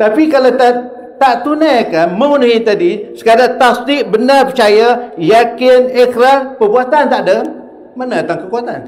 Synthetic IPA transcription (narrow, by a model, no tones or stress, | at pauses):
t̪apikalat̪a | t̪aʔt̪unajkaməunɦit̪adisə̥kadaʔt̪asdiʔbənəpət͡ʃajajakɪnɛkɾapəbuat̪ant̪aʔdəm | manət̪aŋkəkuat̪a̰n